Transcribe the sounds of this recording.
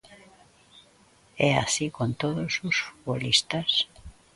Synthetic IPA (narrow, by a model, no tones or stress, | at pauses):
ɛa̰sikõnt̪oðʊsosfu̥t̪βolist̪as